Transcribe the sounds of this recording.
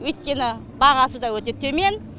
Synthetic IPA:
wɵjt̪̚kʲe̞nɪ | bɑʁɑsəd̪ɑwɵt̪et̪ʰːeme̞n

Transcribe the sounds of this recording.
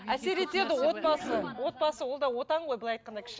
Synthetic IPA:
æse̞ɾe̞t̪e̞ɾd̪ɪwo̞t̪̚pɑsəwo̞t̪̚bɑsəwo̞lˠd̪ɑwo̞t̪ɑɴʁo̞jbɪlˠɑjt̪̚qɑnd̪ɑkʲʰɪ̥ʃ

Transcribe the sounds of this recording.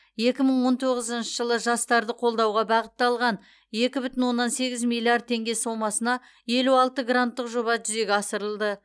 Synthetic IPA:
je̞kʲɪməɴwo̞nt̪ʰoʁəzənʃəʒəlˠəʒɑst̪ɑɾd̪əqʰo̞lˠd̪ɑwʁɑbɑʁət̪ːɑlˠʁɑn | je̞kʲɪbʏt̪ɪnwo̞nːɑnse̞ɡʲɪzmilʲˠːiard̪̚t̪ʰe̞ŋɡʲe̞so̞mɑsənɑ | je̞luɑlˠt̪əɡrant̪ːəqʒo̞βɑʒʏze̞ɡʲɪɑsəɾəlˠd̪ə

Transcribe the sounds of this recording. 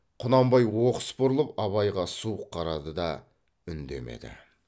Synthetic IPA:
qʰʊnɑmbɑjwoqə̥spʊɾlˠəpɑβɑjʁɑsuqʰːɑɾɑd̪əd̪ɑ | ʏnd̪e̞̰me̞̰d̪ɪ̰

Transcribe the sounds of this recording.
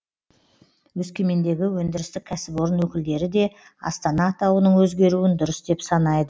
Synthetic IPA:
wɵskʲe̞me̞nd̪e̞ɡʲɪwɵnd̪ɪɾɪst̪ɪkʲʰːæsɪpo̞ɾənwɵkʲɪld̪e̞ɾɪd̪e̞ | ɑ̰st̪ɑnɑːt̪ɑwənəɴwɵzɡʲe̞ɾuwɪnd̪ʊɾəsd̪e̞psɑnɑjd̪ə

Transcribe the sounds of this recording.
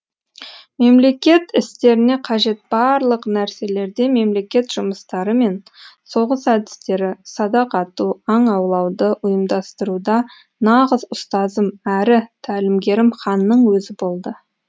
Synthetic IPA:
me̞mle̞kʲe̞t̪ɪst̪e̞ɾɪne̞qʰɑʒe̞t̪̚bɑɾlˠəqnæɾse̞le̞ɾd̪e̞me̞mle̞kʲe̞t̪ʒ̥ʊməst̪ɑɾəme̞n | so̞ʁəsæd̪ɪ̥st̪e̞ɾɪsɑd̪ɑqɑt̪uɑɴɑwlˠɑwd̪əʔʊjəmd̪ɑst̪əɾud̪ɑ | nɑʁəzʊst̪ɑzəmæɾɪt̪ʰælɪmɡʲe̞ɾɪmχɑnːəɴwɵzɪbo̞lˠd̪ə

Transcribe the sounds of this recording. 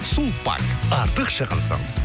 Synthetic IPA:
supa̰kɑɾt̪əqʃɑʁəlˠsə̰ɴəz̥

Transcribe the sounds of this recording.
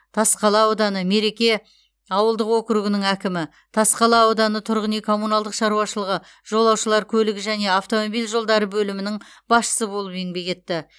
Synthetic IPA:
t̪ʰɑsqɑlˠɑod̪ɑnəme̞ɾe̞kʲe̞ | ɑwəlˠd̪əqwokɾuɡʲɪnɪŋækʲɪmɪ | t̪ʰɑsqɑlˠɑowd̪ɑnət̪ʰʊɾʁənijkʰo̞munɑlˠd̪əqʃɑɾuɑʃəlˠəʁə | ʒ̥o̞lˠɑwʃəlˠɑɾkʲʰɵlɪɡʲɪʒæne̞aft̪o̞mobijlʒo̞lˠd̪ɑɾəbɵlɪmɪnɪŋ | bɑsʃə̥səbolˠəpe̞ŋbe̞kʲe̞t̪ːɪ

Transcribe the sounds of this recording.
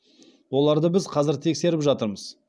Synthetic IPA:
wo̞lˠɑɾd̪əbɪzqʰɑzɪɾt̪ʰe̞kse̞ɾɪpʒɑt̪əɾməz

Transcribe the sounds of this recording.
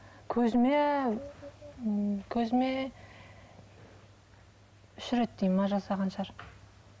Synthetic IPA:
kʲʰɵzɪme | kʲʰɵzɪme | ʏʃɪɾet̪̚d̪ejmɑʒɑsɑʁɑnʃɑɾ

